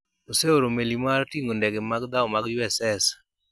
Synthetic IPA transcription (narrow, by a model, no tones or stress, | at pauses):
oseoɾomelimaɾtiŋɡondɛɡemaɡd̪aɔmaɡjwɛsɛs